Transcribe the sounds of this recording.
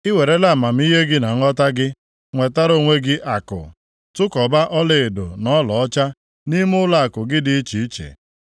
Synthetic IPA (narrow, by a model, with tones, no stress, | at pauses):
ɪ˦we˨ɾe˦la˦˨ma˨m̩˦i˦ɦe˦ɡɪ˦na˨ŋ̩˦ɔ˦ta˦ɡɪ˦ | ŋʷe˨ta˦ɾo˦˨ŋʷe˦ɡɪ˦ʔa˨kʊ̰˨ | tʊ˦kɔ˨ba˦ʔɔ˦le˨e˨do̰˨nɔ˦lɔ˨ɔ˦t͡ʃa˦ | ni˦m˦ʊ˦la˦a˨kʊ˨ɡɪ˦dɪ˨˦i˦t͡ʃi˨i˦t͡ʃḛ˨